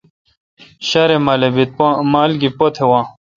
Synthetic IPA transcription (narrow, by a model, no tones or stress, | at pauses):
ɕɐɾemɐlebit̪̚maːlɡipot̪ʰewãː